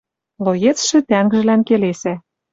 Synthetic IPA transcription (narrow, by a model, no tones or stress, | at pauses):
lojet͡sʃĕt̪æŋɡʒɘ̆lænkelesæ